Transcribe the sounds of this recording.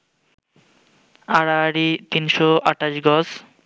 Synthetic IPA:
aɾaɾit̪inʃɔaʈaʃɡɔs

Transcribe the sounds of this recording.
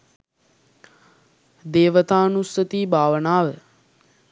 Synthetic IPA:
d̪eːʋət̪aːnusət̪iːbʱaːʋənaːʋə

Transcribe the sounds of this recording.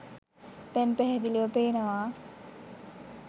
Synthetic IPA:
t̪ɛnpɛɦɛd̪iliʋəpeːnɐʋaː

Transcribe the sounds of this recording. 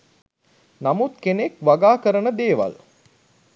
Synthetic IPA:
namut̪kenekʋaɡaːkəɾənəd̪eːʋa̰l

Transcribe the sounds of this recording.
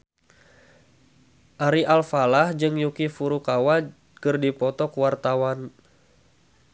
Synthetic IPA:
ʔaɾiʔalfalahd͡ʒɨŋjukifuɾukawa | kɨrdipɔt̪ɔkuwart̪awan

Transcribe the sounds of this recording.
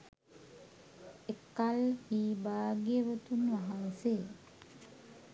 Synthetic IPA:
ekːalhiːbaːɡeʋət̪unʋaɦanseː

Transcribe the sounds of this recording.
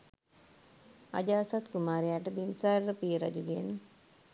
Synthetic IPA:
a̰d͡ʒaːsat̪kumaːɾejaːʈəb̪imsaɾːəpiːɾa̰d͡ʒuɡien

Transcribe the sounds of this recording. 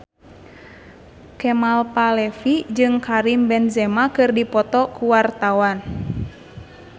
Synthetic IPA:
kɛmalpalɛfid͡ʒɨŋkaɾimbɛnzɛmakɨrdipɔt̪ɔkuwart̪awan

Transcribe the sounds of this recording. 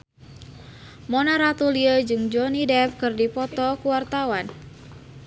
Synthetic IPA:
mɔnaɾat̪uliəd͡ʒɨŋd͡ʒɔnidɛfkɨrdipɔt̪ɔkuwart̪awan

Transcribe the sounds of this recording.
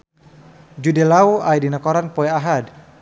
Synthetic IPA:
d͡ʒudɛlauajdinakɔɾanpɔɛaɦad

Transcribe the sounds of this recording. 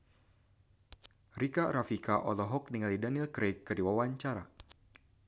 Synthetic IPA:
rikaɾafikaʔɔlɔɦɔk̚niŋalidanilkɾekːɨrdiwawaɲt͡ʃaɾa

